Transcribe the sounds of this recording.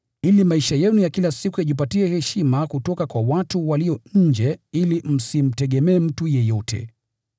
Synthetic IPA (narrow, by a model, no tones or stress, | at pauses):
ilimaiʃajɛnujakilasikujaʄipatiɛhɛʃimakutɔkakwawatuwaliɔɲ̩d͡ʒɛilim̩sim̩tɛɠɛmɛːm̩tujɛjɔtʰɛ̰